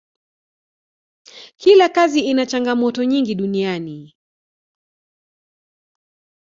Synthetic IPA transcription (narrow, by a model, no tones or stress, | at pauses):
kʰilakaziinat͡ʃaŋɡamɔtɔɲiŋɡiɗuniani